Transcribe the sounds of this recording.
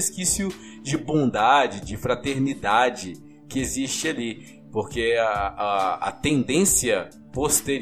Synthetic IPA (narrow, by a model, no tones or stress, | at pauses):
skisjʊ | d͡ʒɪbõd̪ad͡ʒɪd͡ʒɪfɾat̪eɾnid̪ad͡ʒɪ | kɪezist͡ʃɪali | poɾke | ɐ̰t̪ẽnd̪ẽsiɐ | post̪eɾ